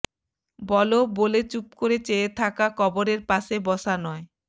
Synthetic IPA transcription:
bɔlobolet͡ɕup̚koɾet͡ɕeet̪ʰakakʰɔboɾeɾpaʃebɔʃanɔe

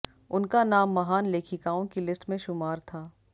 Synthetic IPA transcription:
ʊnkanaːmːɐɦaːnleːkʰikaːõkilɪsʈmẽʃʊmaːɾt̪ʰaː

